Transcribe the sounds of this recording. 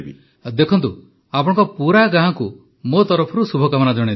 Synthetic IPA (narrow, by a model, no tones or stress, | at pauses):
bḭ | d̪ekʰɔnt̪u | apɔɽ̃ɔ̃ŋkɔpuɾaɡaɦãku | mot̪ɔɾɔpʰɔɾusubʱɔkamɔnad͡ʒɔɽ̃i